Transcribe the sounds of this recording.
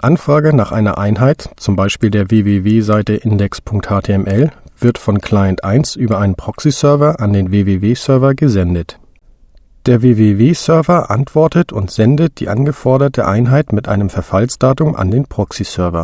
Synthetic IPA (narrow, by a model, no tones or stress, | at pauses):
ʔanfʁ̥aːɡənaːχʔaɪnɐ̰ʔaɪnɦaɪtt͡sʊmbaɪʃpiːldeːɐveːveːveːzaɪtəʔɪndɛkspʰʊŋk̚thaːtʰeːɛmʔɛlv̥ɪɐtfɔnkʰl̥aɪəntʔaɪnsʔyːbɐʔaɪnənpʁ̥ɔksisœɐvɐʔandeːnveːveːveːsœɐvɐɡəzɛndət | d̥eːɐveːveːveːsœɐvɐʔa̰ntv̥ɔɐtətʰʊntz̥ɛndət̚d̥ḭːʔa̰nɡəfɔɐɾɐtə̰ʔaɪnɦaɪtmɪtʔa̰ɪnəmfɛɐfalsd̥aːtʊmʔa̰ndeːnpʁ̥ɔksisœɐvɐ̰